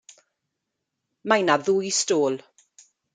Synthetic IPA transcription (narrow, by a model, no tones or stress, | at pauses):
majnaðujstoːlˠ